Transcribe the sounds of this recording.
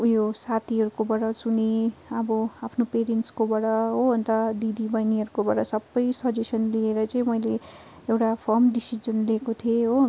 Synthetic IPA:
josat̪ʰiɦʌɾukobʌɽʌsuneʌbʌapʰnopeɾenʈskobaɽʌɦoʌnt̪ʌd̪id̪ibʌjniɦʌɾukobaɽʌsʌbːʌjsʌd͡zesʌnlieɾʌt͡sʌĩmʌjle | ewʈapʰʌmɖisid͡zʌnliekot̪ʰieɦo

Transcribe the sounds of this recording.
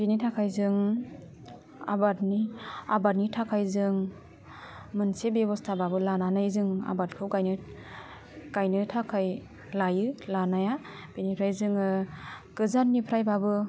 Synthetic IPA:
benitʰakʰajzɯŋ | a̰batniabat̚nitʰakʰajzɯŋ | mɯnsebebɔstʰababɯlananajzɯŋa̰batkʰɯwɡajnɯ | ɡ̥ajnɯtʰakʰaj | lajɯlanaja | b̥enipʰɾajzɯŋɯɡ̥ɯzatnipʰɾajbabɯ

